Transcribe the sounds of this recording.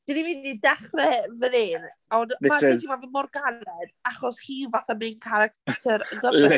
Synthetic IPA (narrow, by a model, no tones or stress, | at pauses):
d̥inividnidaχrɛvəðɪnɔnaɛimavəmɔrɡanɛdaχɔshiːvaθamɨnkʰaɾak̚tʰɛɾɡə